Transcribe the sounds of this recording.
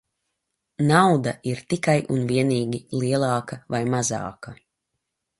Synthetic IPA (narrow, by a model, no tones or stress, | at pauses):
nawd̪aiɾt̪ikajʔunviɛniːɡʲilˠiɛlˠɑːkavajmazɑ̰ːka